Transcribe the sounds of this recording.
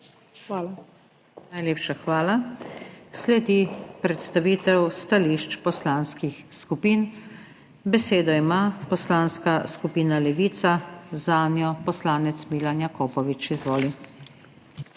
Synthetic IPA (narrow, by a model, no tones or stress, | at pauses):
la | najleːpʃaxʋaːla | slɛd̪ipɾɛt̪st̪aʋiːt̪ɛwst̪aliːʃt͡ʃpɔslaːnskixskupiːn | bɛseːd̪ɔimapɔslaːnskaskupiːnalɛʋiːt̪sazaːnjɔpɔslaːnɛt̪smiːlanjakoːpɔʋit͡ʃizʋoːli